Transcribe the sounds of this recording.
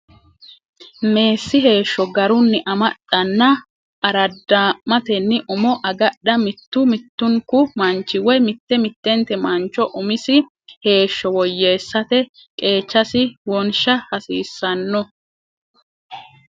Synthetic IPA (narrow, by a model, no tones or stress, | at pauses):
me̞ːsːɪɦe̞ːʃːɔɡɐɾʊnːɪʔɐmɐɗɐnːɐ | ʔɐɾɐd̪ːaːmɐt̪ɛnːɪʔʊmɔʔɐɡɐɗɐmɪt̪ːʊmɪt̪ːʊŋkʊmɐnt͡ʃːɪwɔjmɪt̪ːɛmɪt̪ːɛnt̪ɛmɐnt͡ʃːɔʔʊmɪsɪ | he̞ːʃːɔwɔjːe̞ːsːɐt̪ɛ | kʼe̞ːt͡ʃːɐsɪwɔnʃɐhɐsiːsːɐnːɔ